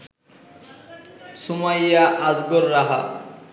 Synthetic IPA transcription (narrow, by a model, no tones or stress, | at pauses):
sumajaʔazɡoɾːaɦa̰